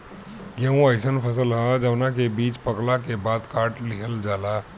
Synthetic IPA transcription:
ɡẽũaɪsənpʰəsəlɦãd͡ʒəʋnakebiːt͡ʃpəklakebaːd̪kaːɾʈliɦəld͡ʒaːla

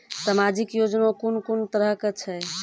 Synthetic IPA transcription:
samad͡ʒikjod͡ʒnõkunkunt̪əɾəɦkt͡ʃʰɛ

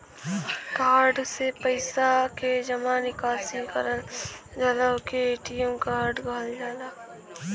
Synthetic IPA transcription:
kaːɾɖsepəɪsaked͡ʒɐmaːnɪkaːsikəɾəld͡ʒalakeeːʈijõmkaːɾɖɡʱald͡ʒaːlaː

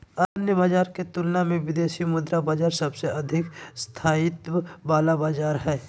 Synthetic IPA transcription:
anjəbaːd͡ʒaːɾket̪ʊlnamẽʋɪd̪eːʃimʊd̪ɾabaːd͡ʒaːɾsɐbseʔɐd̪ʱɪkst̪ʰaːɪt̪wəbaːlabaːd͡ʒaːɾɦɛː

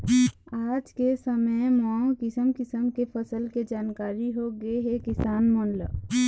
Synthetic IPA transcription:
aːd͡ʒkesəməjmaːõkɪsəmkɪsəmkepʰəsəlked͡ʒaːnkaːɾiɦoɡəeɦɛkɪsaːnmɔːnlə

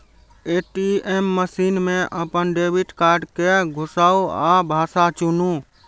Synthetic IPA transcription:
eʈiemːəsinmeʔəpənɖebʱiʈkaɾɖkeɡʱʊsauabʱasat͡ʃunũ

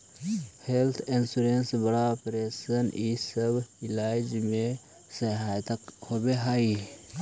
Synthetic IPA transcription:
helt̪ʰɪnsuɾensbəɽaopɾesənisəbʱɪlaːɪd͡ʒmẽ | səɦaːjt̪əkhobeɦai

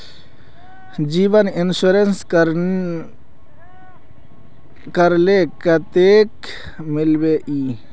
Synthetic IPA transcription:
d͡ʒiʋənɪnsuɾens | kəɾlekət̪ek | mɪlbeʔiː

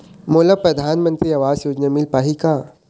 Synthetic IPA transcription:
moːlɐpɾɐd̪ʱaːnmə̃nt̪ɾiɐʋaːzjoːd͡ʒnamɪlpaːɦikaː

